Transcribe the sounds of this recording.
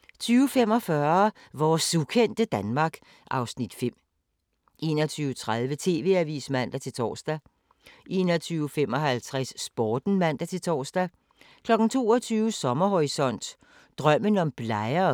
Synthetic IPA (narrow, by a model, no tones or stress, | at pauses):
t͡sʰyːʊfem̰ɒ̽fɶɐ | ʋɒːsukʰen̰d̥əd̥ænmɑ̈ːɡ̥ | ʔɑ̈ʊsnid̥fem̰ | ʔe̝̰ːnɒt͡sʰyːʊt͡sʰʁaðˠʋət͡sʰe̝̰ːʋe̝̰æʋḭːsmæn̰d̥æt͡sʰe̝lt͡sʰɒ̰ːsd̥æ | ʔe̝ːnɒt͡sʰyːʊfem̰ɒ̽ɦælt͡sʰʁasːb̥ɒːd̥n̩mæn̰d̥æt͡sʰe̝lt͡sʰɒ̰ːsd̥æ | kʰlɒ̽ɡ̥n̩t͡sʰo̝̰ːɒt͡sʰyːʊəsɒ̽mɐhoʁisɒ̽n̰d̥ | d̥ʁɶm̰ənɒ̽mb̥lɑ̈ɪɐ